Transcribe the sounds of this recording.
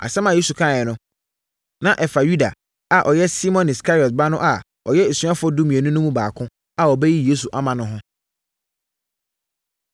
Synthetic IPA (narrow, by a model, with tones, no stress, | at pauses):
a̰˨sɛ˦mã˨je˦su˨kʰãː˦˨ɛ˨nʊ̃˦ | nã˦ʔɛ˨fa˨ju˦da̰˨ | a˨ʔɔ˨jɛ˦si˦mɔ̃˨nɪ˨skʰa˦ɾɔ˨t̚ba˦nʊ̃˦ʔa˨ | ɔ̰˨jɛ˦e˨sɥa˦fʊ˦ɔ˦du˦mĩ˨e˨nʊ̃˦nʊ̃˦mũ˦baː˨kʰʊ̃˦ | a˨ɔ˨bɛ˦ji˦je˦s̬u˨ʔa˦mã˨nʊ̃˦ɦʊ̃˦